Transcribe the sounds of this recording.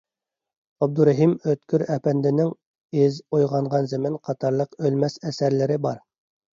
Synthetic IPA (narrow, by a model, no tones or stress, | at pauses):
æb̚d̪uɾæɦimøt̪kʲyɾɛpænd̪ɪnɪŋ | ɪzojʁɑɴʁɑnzɪmɪnqʰɑt̪ʰɑɾlˠəqølmɛsɛsæɾlɪɾɪbɑɾ